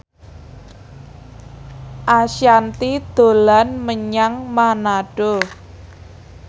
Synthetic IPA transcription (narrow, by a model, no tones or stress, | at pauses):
ʔaʃjant̪id̪̥o̤lanməɲaŋmanaɖ̥o